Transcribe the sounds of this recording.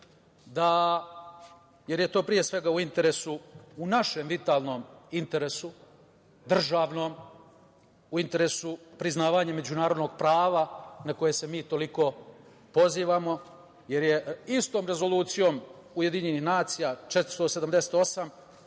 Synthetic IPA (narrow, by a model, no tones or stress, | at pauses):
d̪a | je̞ɾjet̪o̞ːpɾije̞sʋe̞ɡauint̪e̞ɾe̞suunaʃe̞mʋit̪aːlˠno̞ːmint̪e̞ɾesu | d̪r̩ʒaːʋno̞ːm | uint̪e̞ɾesupɾiznaːʋaɲame̞d͡ʑunaːɾod̪noɡ̚pɾaːʋanako̞je̞semiːt̪o̞liko̞ | po̞ziːʋamo̞ | je̞ɾje̞ist̪o̞ːmɾe̞zo̞lˠuːt̪sijo̞ːm | uje̞d̪iɲe̞nixnaːt̪sijat͡ʃet̪st̪osed̪amd̪e̞se̥t̪o̞sam